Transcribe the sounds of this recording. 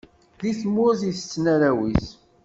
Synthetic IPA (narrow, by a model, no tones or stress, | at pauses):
liθmːʊɾziθət͡sːnaɾæwis